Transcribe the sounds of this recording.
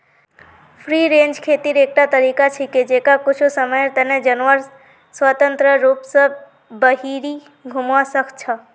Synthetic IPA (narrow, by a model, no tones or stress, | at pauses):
pʰɾiːɾẽːnd͡ʒkʰeːt̪iɾeːk̚ʈat̪ɐɾiːkat͡ʃʰiked͡ʒeːkakʊt͡ʃʰosəməjt̪ɐned͡ʒɐnʋəɾ | swət̪ə̃nt̪ɾəɾuːpsə | bəɦiːɾi | ɡʱʊmʋasəkʰt͡ʃʰa